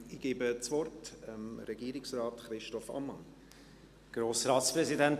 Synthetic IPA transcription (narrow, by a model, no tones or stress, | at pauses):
ɪɡ̥eːbət͡svɔrtəmɾɛɡiːɾɪksraːtχɾɪʃtɔfɑ̰mːɑn | ɡ̥ɾoːsɾɑːspɾɛzidɛnt